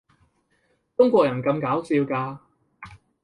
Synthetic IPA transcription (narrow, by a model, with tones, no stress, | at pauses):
t͡ʃʊ˥ŋkʷɔː˧k̚jɐ˨˩nkɐ˧mkaː˨˥wsiː˧wkaː˧